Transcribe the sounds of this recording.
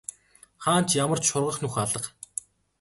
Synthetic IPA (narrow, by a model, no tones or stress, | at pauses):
χaːn̥t͡ɕjamə̆r̥t͡ɕʃʊrʁə̆χnʊxaɮə̆q